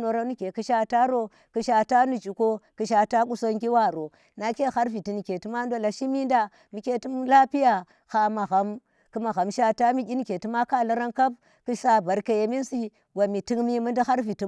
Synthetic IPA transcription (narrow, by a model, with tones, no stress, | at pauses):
no˨ɾa˦nu˦ke˨ki˦ʃa˦ta˦ɾo˦ | ki˨ʃa˨ta˦nu˨d͡ʒi˨ko˦ki˨ʃ̬a˨ta˦ku˦so˦ŋɡi˦wa˦˨ɾo˨ | na˨ke˦xa˦ɾvi˨ti˨ni˨ke˨ti˦ma˦n˦do˦la˨ʃi˦mi˦nda˦ | mi˨ke˦ti˦mla˦pi˦ja˨ | xa˨ma˨ɣa˨m | ku˨ma˨ɣa˨mʃa˦ta˦mi˦kʲi˦ni˦ke˨ti˦ma˦ka˦la˦ɾa˦ŋka˦b | ki˦sa˦ba˨ɾka˨je˨mi˦nsi˦ | wa˨mi˨ti˦ŋmi˦mu˦ndi˦xa˦ɾvi˨ti˦